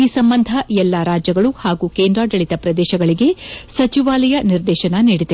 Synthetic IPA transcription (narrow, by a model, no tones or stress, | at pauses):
iːsɐmbɐnd̪ʱɐɛlːaɾaːd͡ʒjɐɡɐɭuhaːɡuːkeːnd̪ɾaːɖɐɭit̪ɐpɾɐd̪ɛːʃɐɡɐɭiɡe̞sɐt͡ʃiʋaːlɐjɐniɾd̪ɛːʃɐnɐniːɽid̪e